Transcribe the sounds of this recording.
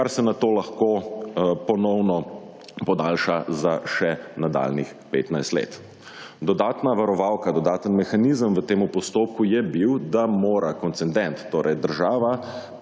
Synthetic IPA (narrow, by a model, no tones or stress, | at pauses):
kaɾsɛnat̪oːlaxkoːpɔnɔwnɔ | pɔd̪aːlʃazaʃɛnad̪a̰ːlnixpḛːt̪najst̪lḛːt̪ | d̪ɔd̪aːt̪naʋaɾɔʋawkad̪ɔd̪aːt̪ənmɛxanizəmʋət̪eːmupɔst̪oːp̚kujɛbiwd̪amoːɾakɔnt̪sɛnd̪ɛnt̪ːoːɾʔɛjd̪əɾʒaːʋa